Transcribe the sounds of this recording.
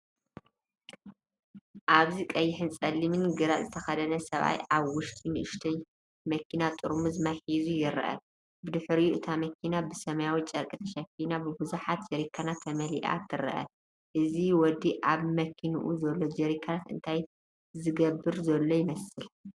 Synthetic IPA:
ʔaβzikʼɐjːɪħɨnt͡sʼɐlːimɨnɡɨɾat̪ʼzɨt̪ʰɐxɐd̪ɐnɐsɐβa̰jʔaβwʊʃt̪ʰʼinɨʔɨʃt̪ʰɐj | mɐkʰinat̪ʼɨɾmuzɨmaħizujɪɾ̰ʔɐ̰ | bɨd̪ɨħɾiuʔɨt̪ʰamɐkʰinabɨsɐmɐjawit͡ʃʼɐɾkʼit̪ʰɐʃɐfinabɨbɨzuħat̪̚d͡ʒɛɾikʰanat̪ʰːɐmɐliʔa̰t̪ʰɨɾɐ̰ʔɐ̰ | ʔɨziwɔd̪iʔaβmɐkʰinuʔuzɐlːo̞d͡ʒɛɾikʰːanat̪ɨ̰nt̪ʰaj | zɨɡɐbːɨɾzɐlːojɪmɐsɨl

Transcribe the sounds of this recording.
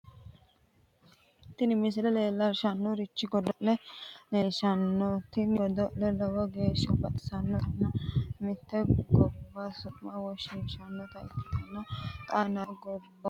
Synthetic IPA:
t̪ːɪnɪmɪs̬ɪlɛleːlːɐʃɐnːɔɾɪt͡ʃːɪɡɔd̪ɔʔlɛleːʃɐnːɔt̪ːɪnɪɡɔd̪ɔʔlɛlɐwɔɡe̞ːʃːɔbɐt̪ʼɪ̥sɐnːɔt̪ɐnːɐmɪt̪ːɛɡɔbːasʊmɐwɔʃɪnʃɐnːɔt̪ɐɪt̪ːɪ̥t̪ɐnːɐk̪ʼanɐɡɔbːɐ

